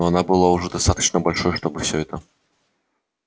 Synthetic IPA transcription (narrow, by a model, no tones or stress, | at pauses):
ɔanabɨlˠawʐɛd̪ast̪at̪ɐ̥t͡ʃnɐbalʲʂɔjʂt̪ɔbɨwsʲɔɛt̪ɐ